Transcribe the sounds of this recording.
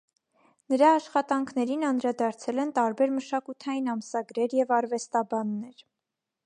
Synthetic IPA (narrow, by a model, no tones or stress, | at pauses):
nəɾɑːʃχɑt̪ɑŋkʰnɛɾinɑnd̪ɾɑd̪ɑɾt͡sʰɛlɛnt̪ɑɾbɛɾməʃɑkut̪ʰɑjinɑməsɑɡɾɛɾjɛvɑɾvɛst̪ɑbɑnːɛɾ